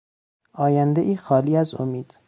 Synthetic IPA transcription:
ʔɒːjænd̪eʔiːxɒːliːæzo̰miːd̪̥

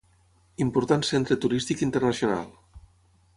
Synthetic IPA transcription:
impuɾt̪ansent̪ɾət̪uɾist̪ikint̪ərnəsiona̰lˠ

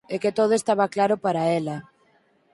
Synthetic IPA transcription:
eket̪oð̞oest̪aβaklaɾʊpaɾaɛlɐ

